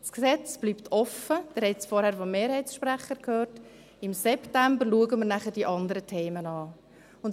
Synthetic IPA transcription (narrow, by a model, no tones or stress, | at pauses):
sksɛt͡sb̥liːpt̪ʰɔfəd̥ɛːɾhɛt͡sfɔɾhæːɾfɔmmːeːɾhɛɪsʃpɾæχəɾkʰhøːrt | ɪmsɛptæmbəɾluəɡəməɾnæχəd̥iʔɑndəɾətʰeːmənɑː | ʊnt